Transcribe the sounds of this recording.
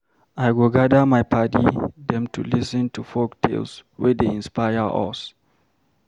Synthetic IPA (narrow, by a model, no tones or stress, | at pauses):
ajɡoɡadamajpʰatḭdɛ̃mtʰṵlisɛ̃ntufoktʰḛlswɛdeĩnspajəʔɔ̰s